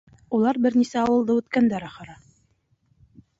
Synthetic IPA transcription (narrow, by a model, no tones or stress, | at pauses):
ulˠɑɾbɘ̆ɾnisæɑwɤ̆lˠd̪ɤʉt̪kænd̪æɾɑχɤ̆ɾɑ